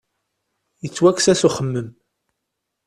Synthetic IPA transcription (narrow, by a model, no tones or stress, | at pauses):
jət͡sːwæksæsuχəmːəm